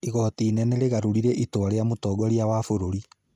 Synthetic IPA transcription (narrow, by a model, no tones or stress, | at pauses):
iɣɔtinɛnɛɾeɣaɾuɾiɾeʔitoaɾeamotɔːɡɔɾiawafoɾoɾi